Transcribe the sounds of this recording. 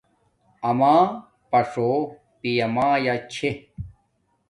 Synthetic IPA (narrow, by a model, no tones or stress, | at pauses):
ɐmaː | pɐʂo | pijɐmaːjat͡ɕʰe